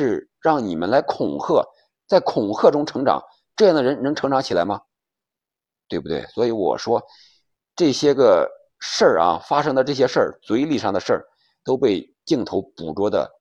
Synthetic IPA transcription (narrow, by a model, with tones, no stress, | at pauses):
ʂɻ̩˥˧ | ɻɑ˥˩ŋni˨˩mə˦nla˧˥ɪkʰʊ˨˩ŋxɤ˥˩ | t͡sa˥˩ɪkʰʊ˨˩ŋxʰɤ˥˩ʈ͡ʂʊ˥ŋʈ͡ʂʰɤ˧˥ŋʈ͡ʂɑ̰˨˩˦ŋ | ʈ͡ʂɤ˥˧jɑ˥˩ŋd̪ə˩ɻə˧˥nnɤ˧˥ŋʈ͡ʂʰɤ˧˥ŋʈ͡ʂɑ˧˥ŋt͡ɕʰi˨˩la˧˥ɪmɐ˧ | t̪we˥˩ɪb̚u˩t̪wḛ˥˩ɪswɔ˧˥i˧˥wɔ̰˨˩ʂwɔ˥ | ʈ͡ʂɤ˥˩ɕjɛ˥ɡə˧ | ʂə˥˩ɐ̰˧fa˥ʂɤ˥ŋd̪ə˧ʈ͡ʂɤ˥˩ɕ̬jɛ˥ʂə˥˩t͡swe˧˥ɪli˥˧˩ʂɑ˥˩ŋd̪ə˩ʂə˞˥˩ | t̪o˥ʊpe˥˧ɪ | t͡ɕi˥˩ŋt̪ʰo˧˥ʊpu˨˩ʈ͡ʂwɔ˥d̪ə̰˧